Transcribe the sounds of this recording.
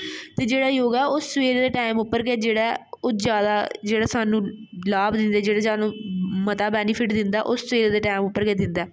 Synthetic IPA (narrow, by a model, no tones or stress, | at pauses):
t̪eːd͡ʒeːɽaːjoːɡɛːoːsʋeːɾd̪eːʈaːɪmʊpːəɾɡɛːd͡ʒeːɽaːoːzjaːd̪aːd͡ʒeːɽaːsaːnũːlaːbd̪ɪnd̪ɛːd͡ʒeːɽaːsaːnũːmət̪aːbɛːnɪpʰɪʈd̪ɪnd̪aːʔoːssʋeːɾd̪eːʈaːɪmʊpːəɾɡɛːd̪ɪnd̪aː